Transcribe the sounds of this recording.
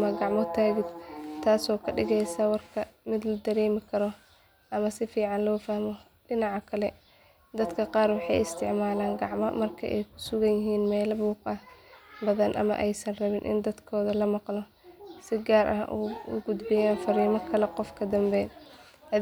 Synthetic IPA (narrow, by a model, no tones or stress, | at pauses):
mɐɡɑʕmɔt̪ʰaːɣɪd̪t̪ʰaːsɔːkʰɐɖɪ̰ɣɛjsawɑrkʰɐmɪd̪lɐd̪ɐɾɛːmɪkʰɐɾɔ | ʔɐmɐsɪfiːʕɑnlɔːfahmɔ | ɖɪnɑʕɑkʰɐlɛ | d̪ɐd̪kʰɐqɑːrwɑħɑ̰jɪst̪ʰɪʕmaːlaːŋɡɑʕmɔmɐrkʰɐ̰ʔɛjkʰʊ̥sʊɣɐnjɪɦiːnmɛːlɐbuːqɐhbɐðɐnʔɐ̰mɐ̰ʔɛjsɐnrɐβɪnʔɪ̰nd̪ɐd̪kʰɔːðɐlɐmɑqlɔ | sɪɡaːɾʔɐ̰ɦʔṵʊ̰ɡʊd̪bɪjaːnfɐɾiːmɐkʰɐlɛqɔfkʰɐd̪ɐmbɛːn | ɐ